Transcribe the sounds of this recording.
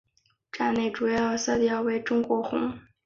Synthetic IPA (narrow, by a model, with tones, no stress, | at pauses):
ʈ͡ʂa˥˧ɪne˥˩ɪʈ͡ʂu˨˩jɑ˥˩ʊsɤ˥˩t̪jɑ˥˩ʊwe˧˥˩ɪʈ͡ʂʊ˥ŋkwɔ˧˥xʊ̰˧˥ŋ